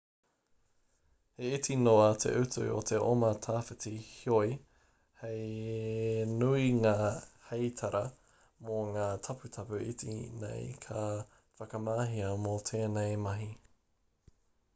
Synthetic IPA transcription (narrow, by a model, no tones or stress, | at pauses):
heitinoɐtʰḛʔʉtʉ̰o̰t̪ʰeʔomɐtʰaːfɪtihioj | hej | nuiŋaːhejtʰɐɾʔɐ | moŋaːtʰɐpʉtʰɐpʉʔḭtḭnḛjkʰɐ | fɐkɐmaːɦiɐmotʰeːnejmɐɦi